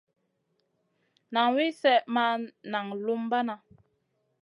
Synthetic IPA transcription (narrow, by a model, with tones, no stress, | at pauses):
na˨ŋwi˦sɛ˦ʔma˦na˨ŋlu˦mba˦na˨